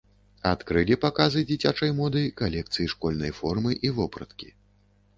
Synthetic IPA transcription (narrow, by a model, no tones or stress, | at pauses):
at̪kɾɨlʲipakazɨd͡zʲit͡sʲat͡ʂɐjmɔd̪ɐjikalʲɛkt̪sɨjiʂkɔlʲnɐjfɔrmɨʔivɔpɾɐt̪kʲi̥